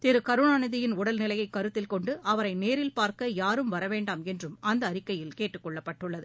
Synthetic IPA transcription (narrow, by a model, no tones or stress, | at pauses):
t̪ɪɾɯkɐɾɯɳaːnɯðɪjɪnʊɽɐlnɪlɐjɐɪkːɐɾɯt̪ːɪlkɔɳɖɯʔɐʋɐɾɐɪneːɾɪlpaːɾkɐjaːɾɯmʋɐɾɐʋeːɳɖaːmɛndrɯmɐnd̪ɐːɾɪkːɐjɪlkeːʈːɯkːɔɭːɐpːɐʈːɯɭːɐðɯ